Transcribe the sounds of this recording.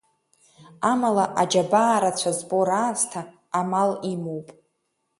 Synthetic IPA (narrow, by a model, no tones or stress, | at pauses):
amalaʔad͡ʒabaːɾat͡ɕʷʰazboɾaːztʰaː | malimowpʼ